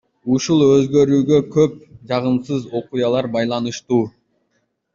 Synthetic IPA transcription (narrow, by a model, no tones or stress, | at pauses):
uʃulˠø̞zɡø̞ɾyːɡø̞kʰøp̚d͡ʒɑʁɯmsɯzo̞qujɑlˠɑɾbɑjlˠɑnɯʃt̪uː